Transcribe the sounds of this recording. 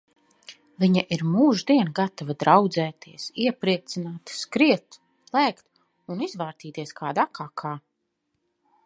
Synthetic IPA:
viɲaʔiɾmuːʒd̪iɛnɡat̪avad̪ɾawd̪zɛːt̪ʰiɛsiɛpɾiɛt̪sinaːt̪skɾiɛt̪ | lˠæːkt̪ | unizvaːɾt̪iːt̪iɛskʰaːd̪akakʰaː

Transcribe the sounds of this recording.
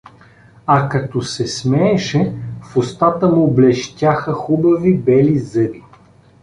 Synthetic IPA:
akɐt̪ɔsɛsmɛːʃɛfʊst̪at̪əmuːblɛʃt̪ʲaxəxubɐvibɛlizɤd̪i

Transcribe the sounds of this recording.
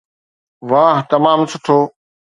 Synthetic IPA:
ʋaːɦt̪ɐmaːmsʊʈʰoː

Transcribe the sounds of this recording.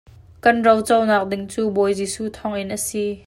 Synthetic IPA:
kɐnrɔwt͡sɔwnaːk̚dɪŋt͡suːbɔjziːsuːt̪ʰɔŋʔɪnʔəsi

